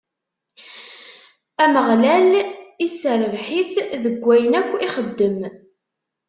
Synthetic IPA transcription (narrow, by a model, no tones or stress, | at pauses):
æməʁlælisəɾəvħiθðəɡʷːæjənækʷːiχəd̪ːəm